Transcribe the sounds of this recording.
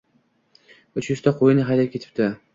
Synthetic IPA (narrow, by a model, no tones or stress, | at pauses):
ʊt͡ʃjʏzt̪ʰaqʰojɪnɪɦajd̪apkʲʰe̞t̪ʰɪp̚t̪ɪ